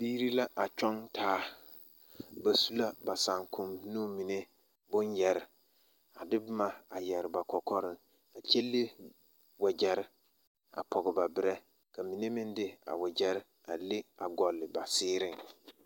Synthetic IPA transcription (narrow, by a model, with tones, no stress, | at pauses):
biː˦ɾi˦la˦ʔa˨t͡ʃɔ˦ntʰaː˨˦ | ba˨su˦la˦ba˨sa˨ŋkʰʊ˨mnũ˦mi˨ne˦ | bʊ˦njɛ˨ɾɪ˨ | a˨dɪ˦bʊ˦ma˨a˨jɛ˨ɾɪ˨ba˨kɔ˨kɔ˦ɾɪ˦ŋ | a˨t͡ʃɛ˦li˦ | wɛ˨d͡ʒɛ˨ɾɪ˦ | a̰˨pʰɔ˨ɡɪ˨ba˨bɪ˦ɾɛ˦ | ka˨mi˨ne˦mɪ˦ndɪ˦a̰˨wɛ˨d͡ʒɛ˦ɾɪ˦ | a̰˨le˦a˨ɡɔ˨lːɪ˨ba˨sɪː˦ɾɪ˦ŋ